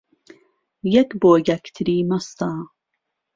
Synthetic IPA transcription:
jɐkboːjɐkt̪ʰɾiːmɐst̪ɑː

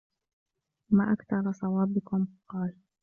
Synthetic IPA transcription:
maːʔakθɑɾˤɑsˤɑwɑːbɪkʊmqɑːl

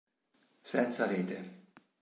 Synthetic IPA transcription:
sɛnt̪sɑɾeːt̪ḛ

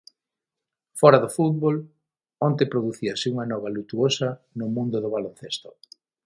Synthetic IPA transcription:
fɔɾaðʊfut̪̚βol | ont̪epɾoðuθiasɪuŋɐnɔβalut̪uosɐnʊmũnd̪ʊðʊβalon̟θest̪o̥̰

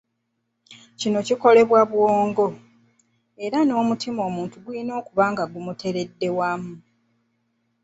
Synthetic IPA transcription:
cino̞ciko̞le̞βwaβwoːŋɡo̞ | e̞ɾano̞ːmutʰimo̞ːmuːntuɡwino̞ːkuβaːŋɡaɡumutʰe̞ɾe̞dːe̞wamːu

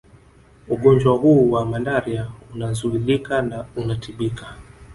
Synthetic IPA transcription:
uɠɔɲd͡ʒwahuːwamalaɾiaunazuilikanaunatʰiɓikḁ

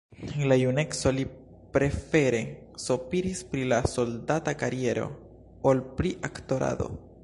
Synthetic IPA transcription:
lajune̞kso̞li | pɾe̞fe̞ɾe̞ | sopiɾispɾilaso̞ldatakaɾie̞ɾo̞̰ | olpɾiʔakto̞ɾa̰do̞̰

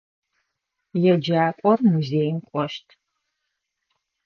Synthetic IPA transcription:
jɛd͡ʒaːkʷʼɔrmuzeːjmkʷʼɔʃtʰ

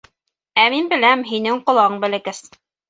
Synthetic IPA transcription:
æminbɘ̆læmɦinɘŋqŏlˠɑɤɴbɘ̆lɘ̆kɘs

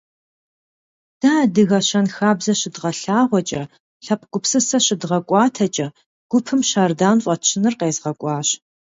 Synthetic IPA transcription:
d̥aːdɨɣɐɕɐnxaːbzɐɕɪdʁɐɬaːʁʷɔt͡ʃʼɐ | ɬɐp̚ʰɡ̥ʷʊpsɨsɐɕɪdʁɐkʷʼɑːtʰɐt͡ʃʼɐ | ɡ̥ʷʊpʰɨmʃaːrdaːnfʷʼɐt͡ʃʰɪnɨrqeːzʁɐkʷʼɑːɕ

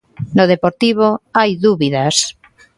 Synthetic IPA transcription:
noð̞epoɾt̪iβ̞oajðuβiðas

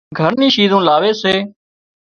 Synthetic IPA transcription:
ɡʱəɾnĩːʃiːzõːlaːʋeːseː

